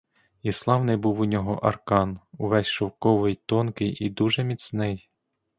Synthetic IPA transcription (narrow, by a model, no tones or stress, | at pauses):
islˠɑwnɪjbuwunʲɔɦɔ̰ʔɐrkɑnuʋɛsʲʃɔwkɔʋɪjt̪ɔnkɪjid̪uʒɛmʲisnɪj